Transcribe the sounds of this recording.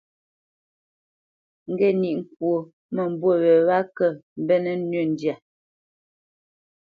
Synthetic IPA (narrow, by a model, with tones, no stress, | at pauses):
ŋ̩˨ɡɛ˦˨ni˨ʔŋ̩˨kwo˨ | mə˨m̩˨bwo˦˨wɛ˨βa˦kə˦˨m̩˦bɛ˦nə˦nɥə˦˨n˨dja˨